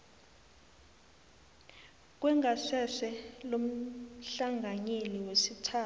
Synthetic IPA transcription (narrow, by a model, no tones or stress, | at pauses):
k̬ʼwɛŋɡʱasɛsɛlom̩ɬaŋɡʱaɲeliwesitʰaː